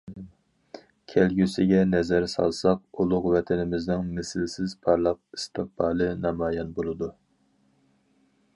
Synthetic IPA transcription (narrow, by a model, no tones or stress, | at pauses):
kʲʰɛlɡʲysɪɡʲɛnɛzæɾsɑ̰lˠsɑq̚ulˠʊqwɛt̪ʰɛnɪmɪznɪŋmɪsɪlsɪzpʰɑɾlˠɑq̚i̥st̪ʰɨpɑːlˠɨnɑmɑːjɑnbolˠɨd̪u